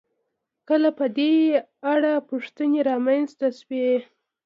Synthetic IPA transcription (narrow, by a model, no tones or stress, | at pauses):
kəlapəd̪e | aɽapuʂt̪əneɾɑmanzt̪aʃwe